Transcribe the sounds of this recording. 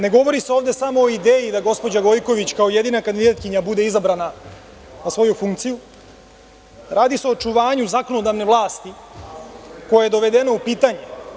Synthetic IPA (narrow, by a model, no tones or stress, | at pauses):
ne̞ɡo̞ʋo̞ɾiseo̞ːʋd̪e̞samo̞ːid̪eːjid̪aɡo̞spo̞d͡ʑaɡo̞jko̞ʋit͡ɕkao̞jed̪inakand̪id̪at̪̚kiɲabud̪e̞izabɾana | nasʋo̞jufuŋkt̪siju | ɾaːd̪ise̞o̞ːt͡ʃuʋaːɲuzako̞nod̪aʋne̞ʋlˠaːst̪i | ko̞jaje̞d̪o̞ʋe̞d̪e̞noupiːt̪aɲe